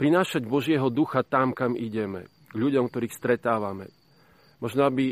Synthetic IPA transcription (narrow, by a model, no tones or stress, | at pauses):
pɾinaːʃaɟbɔʒɪɛɦɔd̪uxat̪amkamiɟɛmɛ̰ | ɡʎuɟɔmk̚t̪ɔɾiːxst̪ɾɛt̪aːʋamɛ̰ | mɔʒnɔabi